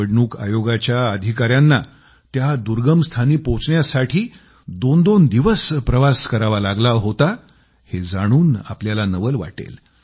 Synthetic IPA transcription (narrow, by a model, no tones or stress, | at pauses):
əɽɳuːka̰joɡat͡ɕjaəd̪ʱikaɾjanːa | t̪jad̪uɾɡəmst̪ʰaniːpot͡sɳjasaʈʰiː | d̪ond̪ond̪iʋəspɾəʋaskəɾaʋalaɡlaɦot̪a | hed͡zaɽ̃uːna̰pljalanəʋəlʋa̰ʈḛl